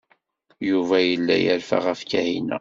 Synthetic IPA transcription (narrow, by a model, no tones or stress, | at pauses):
juvæjəlːæjəɾfa̰ʁæfkæhinæ̰